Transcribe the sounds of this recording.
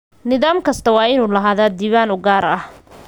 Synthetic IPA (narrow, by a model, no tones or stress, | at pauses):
nɪðaːmkʰɐst̪ʰɐwɑːɪnuːlɐɦaːðaːd̪iːβaːnʊɡaːɾɐh